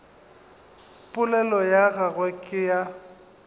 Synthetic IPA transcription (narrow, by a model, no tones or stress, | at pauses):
pʼʊlɛlɔjaɣaɣwɛkʼɪja